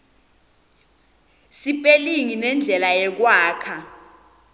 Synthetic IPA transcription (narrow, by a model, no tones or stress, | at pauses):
sipʼeliŋinɛnd͡ɮʱɛlajɛk̬waːkʰa